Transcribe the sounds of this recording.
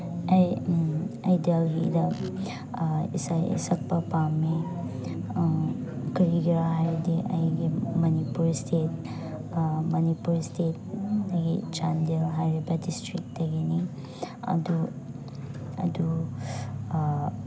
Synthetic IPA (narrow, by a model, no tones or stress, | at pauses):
ɐj | ɐjdelɡidɐ | ḭsajḭsɐk̚pɐpame | kɾiɡiɾɦajɾidiʔɐ̰jɡimɐnipuɾstʰet̚ | mɐnipuɾstʰet̚dɐɡit͡ʃandelɦajɾibɐdistɾik̚dɐɡini | ɐ̰du | ɐ̰d̪u